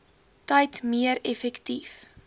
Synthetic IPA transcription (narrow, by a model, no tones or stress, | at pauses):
tɐjtmiəɾɛfɛktif